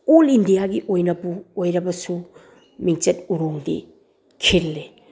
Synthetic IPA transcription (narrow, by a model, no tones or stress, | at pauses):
olindijaɡiʔojnɐpuojɾɐbɐsu | miŋt͡ʃɐt̚uɾoŋdḭ | kʰilːe